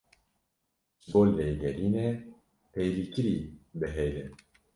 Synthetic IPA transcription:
boːlːejɡɛɾiːnɛ | pɛjlikɨɾiːbɨɦejlɛn

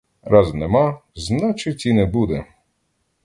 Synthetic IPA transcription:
ɾaznɛmaznat͡ʃɪt͡sʲinɛbud̪ɛ

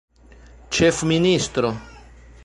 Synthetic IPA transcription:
t͡ʃefminist̪ɾo

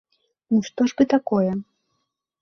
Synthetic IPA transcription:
nuʂt̪ɔʐbɨt̪akɔjɛ

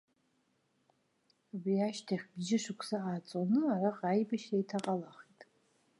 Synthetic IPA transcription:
abriaʃtʰaχʲbʒɪʂɨkʷʰsaat͡sʼonɨaraqʼajbaʃajtʰaqʼalaχitʼ

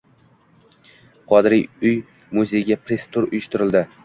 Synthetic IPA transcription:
qʰɒd̪ɪɾijʊj | mʊze̞jɡʲapʰɾest̪ʰʊɾʊ̰jɪʃt̪ɪɾɪld̪ɪ

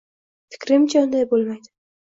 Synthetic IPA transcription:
fɪ̥kʲɾɪmt͡ʃʰaʊnd̪ajbolˠmajd̪ɪ

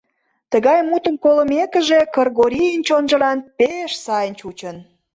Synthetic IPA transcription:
t̪ə̆ɣɑjmut̪əmkoləmekəʒekərɣoɾʲijənʲt͡ɕonʒə̆lɑnpeʃsɑjənʲt͡ɕut͡ɕən

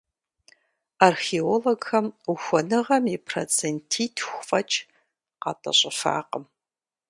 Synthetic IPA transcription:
arxeoloɡxɐmuxʷɔnɨʁɐmipʰro̰t͡sʰentʰiːtʰxʷfʼɐt͡ʃʼ | qɑ̰tʼɐ̰ɕʼɪfa̰ːqəm

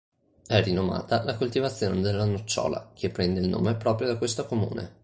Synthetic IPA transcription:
ɛrinoma̰ːt̪alakolt̪ivat̪sːjoːned̪elːanut͡ʃːɔ̰ːla̰k̟ʰepːɾɛnd̪eilno̰ːmepɾɔːpɾjod̪akwest̪okomṵːnḛ

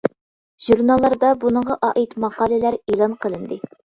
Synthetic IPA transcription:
ʒ̥uɾnɑlˠːɑɾd̪ɑbunəɴʁɑʔɑʔit̪mɑqɑːlɪlæɾelˠɑnqʰəlˠɨnd̪ɨ

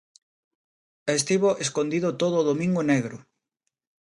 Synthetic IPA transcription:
es̬t̪iβoʔeskond̪iðʊt̪oðoːðomĩŋɡʊneɣɾʊ

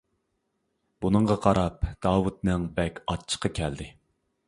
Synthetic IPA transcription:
b̥unɨŋɴʁɑqʰɑɾɑp̚d̪̥ɑːwut̪nɨŋbɛkʲɑt͡ʃʰə̥qɑkʲʰɛld̪ɪ

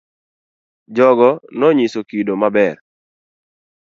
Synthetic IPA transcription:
d͡ʒɔɡɔnɔɲisokidomabɛr

